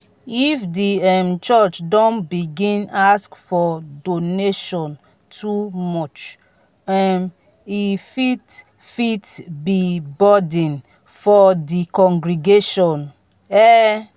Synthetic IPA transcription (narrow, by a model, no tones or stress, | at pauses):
ifdiɛmt͡ʃɔt͡ʃdɔ̃nbiɡĩnaskfɔdoneʃɔ̃n | tʰumɔt͡ʃ | ɛm | ifit | fitbibɔdɛ̃n | fɔdikɔ̃ŋɡɹiɡeʃɔ̃n | ɛ